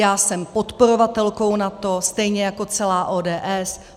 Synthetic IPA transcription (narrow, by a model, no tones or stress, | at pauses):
jaːsɛmpo̞t̪po̞ɾo̞vat̪ɛlko̞wnat̪o̞st̪ɛjɲɛjako̞t͡sɛlaːʔoːdɛːʔɛs